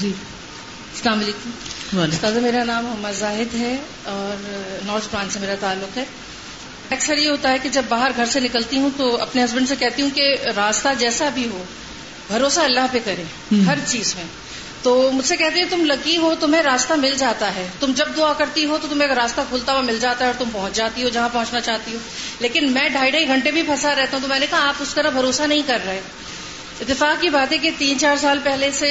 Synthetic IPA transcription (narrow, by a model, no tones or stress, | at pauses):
d͡ʒi | ɐslaːmɐliːkʊmaʊst̪aːd̪ameːɾanaːmɦɐmːad̪zaːɦɪd̪ɦɛ | ɔːɾnɔːɾd͡ʒpɾãːnsemeːɾat̪aːlːʊqɦɛː | ɛːksəɾjeɦoːt̪aɦɛked͡ʒɐbːaːɦəɾɡʱɐɾsenɪkəlt̪iɦũt̪oɐ̰pneɦɐzbə̃ɳɖsekɛɦt̪iɦũkeɾaːst̪ad͡ʒɛːsabʱiɦo | bʱɐɾoːsaɐlːaɦpekɐɾẽː | ɦɐɾt͡ʃiːzmẽ | t̪oːmʊd͡ʒʱsekɛɦt̪iɦɛ̃t̪ʊmlɐɡiɦot̪ʊmɦẽɾaːst̪amɪld͡ʒaːt̪aɦɛːt̪ʊmd͡ʒɐb̚d̪ʊakɐɾt̪iɦot̪ot̪ʊmẽːkɾaːst̪akʰuːlt̪aʋamɪld͡ʒaːt̪aɦɛɔːɾt̪ʊmpɐɦʊ̃t͡ʃd͡ʒaːt̪iɦod͡ʒɐɦãpɐɦʊ̃t͡ʃnat͡ʃaːɦt̪iɦoː | leːkɪnmɛ̃ːɖʱaːiɖʱaːiɡʱɐ̃ɳʈebʱipʰɐsaɾɛɦt̪aɦũt̪omɛ̃ːnekɐɦaaːpʊskɐnabʱɐɾoːsanɐɦĩkɐɾːɐɦẽː | ɪt̪ːɪfaːkːibaːt̪ɦɛk̬et̪iːnt͡ʃaːɾs̬aːlpɛɦlese